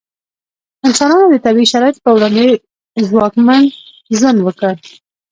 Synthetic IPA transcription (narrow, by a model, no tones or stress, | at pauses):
ansɑnɑnod̪ət̪abiʃaɾɑɪt̪̚pəwɽɑnd̪e | zwɑkman | zanwəkə